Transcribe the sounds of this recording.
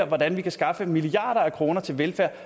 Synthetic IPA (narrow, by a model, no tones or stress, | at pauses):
ɐʋɒd̥ænʋikʰæsɡ̥ɑ̈fəmiliɑ̰̈ːɾ̥ɐækʰʁo̝ːnɐt͡sʰe̝lʋelfæɐ̰